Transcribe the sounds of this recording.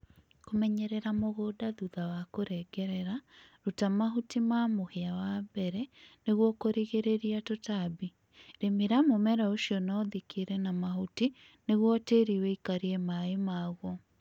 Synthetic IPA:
komɛɲɛɾɛɾamoɣodaðuðawakoɾɛɡɛɾɛɾaɾutamaɦutimamoheawabɛɾɛneɣwɔkoɾiɣeɾeɾiatotabi | ɾemeɾamomɛɾaoʃiɔnɔðikeɾɛnamahuti | neɣwɔteɾiwɛikaɾiɛmaemaːɣɔ

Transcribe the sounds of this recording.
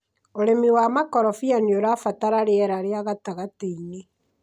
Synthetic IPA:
oɾemiwamakɔɾɔfianioɾafataɾaɾeɛɾaɾeaɣataɣateine

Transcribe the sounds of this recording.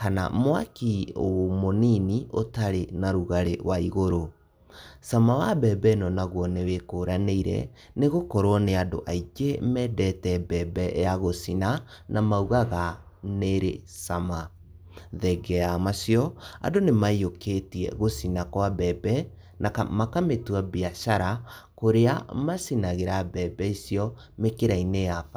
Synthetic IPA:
kana̰mwakio̰moniniʔo̰taɾenaɾuɣaɾewaiɣoɾo | samawabɛbɛnɔnaɣwɔnewekoːɾaneiɾɛ̰ | neɣokɔɾɔneado̰ʔaid͡ʒemɛːdɛtɛbɛbɛjaɣosina | nʔamauɣaɣa | neɾesama | ðɛɡɛamasjɔa̰donemaioketiɛ̰ɣosinakwabɛbɛ | nakamakametwabiaʃaɾa | koɾea̰masinaɣeɾabɛbɛisjɔ | mekeɾaineafa

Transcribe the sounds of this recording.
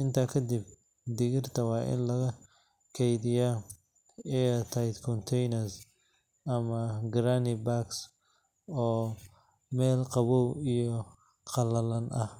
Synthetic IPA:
ɪnt̪ʰɐkʰɐd̪ɪb | d̪ɪɣɪrt̪ʰɐwɑːʔɪ̰nlɐɣɐ | kʰɛjd̪ɪja | ɛɐt̪ʰɐjd̪kʰɔnt̪ʰɛjnɐrs | ɐmɐɡɾaːnɪbaks | ɔː | mɛːlqɑβɔwijɔ | qɑlɐlɐnʔɐh

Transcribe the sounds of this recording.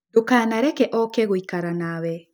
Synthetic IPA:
dokaːnaɾɛkɛʔɔkɛɣoikaɾanawɛ

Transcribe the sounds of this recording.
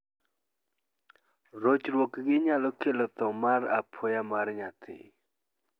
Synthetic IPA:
rot͡ɕərwokəɡeɲalokʰeləp̚t̪aŋmarʔapʰojamaɾəɲat̪ʰḛ

